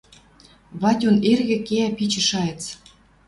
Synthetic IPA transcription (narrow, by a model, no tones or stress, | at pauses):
βɑtʲonerɣɘ̆keæpit͡ɕə̆ʃɑjĕt͡s